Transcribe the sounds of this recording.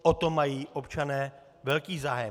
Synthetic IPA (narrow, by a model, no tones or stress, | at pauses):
ʔot̪omajiːʔo̞pt͡ʃanɛː | vɛlkiːzaːjɛ